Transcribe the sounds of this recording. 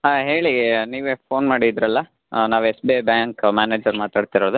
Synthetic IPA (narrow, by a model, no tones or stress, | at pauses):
ɦaːɦe̞ːɭiniːʋepʰoːnmaːɽiːd̪ɾɐlːɐ | naːʋesbebjaːŋkmaːneːd͡ʒɐɾmaːt̪aːɖt̪iɾoːd̪u